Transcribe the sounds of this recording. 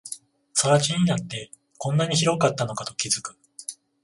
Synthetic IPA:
saβat͡ɕiɲ̟inat̪ːe̞ | kõ̞nːaɲ̟içiɾo̞kat̪ːano̞kat̪o̞kʲizɨkɯ̟̥

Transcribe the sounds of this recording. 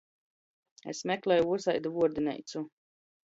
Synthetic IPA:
ḛsmʲɛklɛjuuɔsajd̪vuɔɾd̪inɛ̰jt̪su

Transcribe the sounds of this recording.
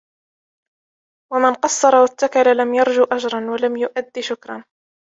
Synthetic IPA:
wamɪnqɑsˤːɑɾˤɑwat̪ːakalalamjɑɾˤd͡ʒʊʔad͡ʒɾˤɑnwalamjʊʔad̪ːiʃʊkɾˤɑ̰n

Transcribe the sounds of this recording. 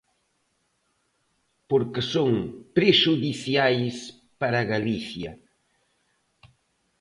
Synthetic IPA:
poɾkɪsoŋpɾeʃuðiθjajs | paɾaɣaliθjɐ

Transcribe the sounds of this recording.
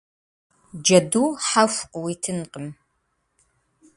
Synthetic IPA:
d͡ʒɐduːħafʷqʼwitʰɨnqʼəm

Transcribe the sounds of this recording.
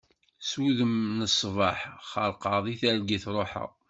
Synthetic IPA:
swuðəmnəsˤːvɑħχəɾqɑðˤiθæɾɡiθɾˤoħa̰

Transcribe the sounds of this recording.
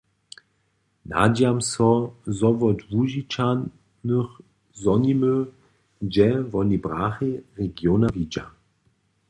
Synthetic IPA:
na̰damsɔzɔvɔdvuʒit͡ʃan | nəx | zɔnimə | d͡ʒɛvɔnibʁaːxiʁɛɡjonavid͡ʑa̰

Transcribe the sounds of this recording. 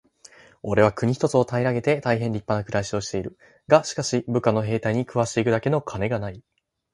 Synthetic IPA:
o̞ɾe̞βakɯ̟ɲ̟içi̥t̪o̞t͡sɨo̞t̪aiɾaɡe̞t̪e̞t̪aiɦẽ̞nɾʲipːanakɯ̟ɾaiɕi̥o̞ɕi̥t̪e̞iɾɯ̟ | ɡaɕi̥kaɕibɯ̟kano̞ɦe̞ːt̪aiɲ̟ikɯ̟βaɕi̥t̪e̞ikɯ̟d̪ake̞no̞kʰane̞ɡanai

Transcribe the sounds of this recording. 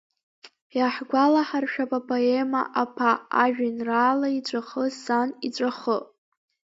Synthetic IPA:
jaħɡʷalaħarʃᶣapʼapʰʼoe̞ma̰ʔapʰaːʒᶣanraːlait͡ɕʷʼaχəsanit͡ɕʷʼaχə

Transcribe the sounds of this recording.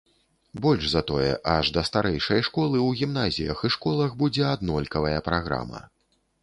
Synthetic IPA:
bɔlʲʐzɐt̪ɔjɛ̰ʔɐʐd̪ɐst̪aɾɛjʂɐjʂkɔlˠɨwɣʲimn̪azʲijɐxiʂkɔlˠɐɣbud͡zʲɛad̪nɔlʲkɐvɐjɐpɾaɣɾa̰mɐ̰

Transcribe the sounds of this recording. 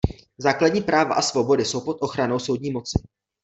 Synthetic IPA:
zaːkladɲiːpɾaːva̰ʔasvo̞bo̞dɪso̞wpo̞t̪ʔo̞xɾano̞wso̞wdɲiːmo̞t͡sɪ

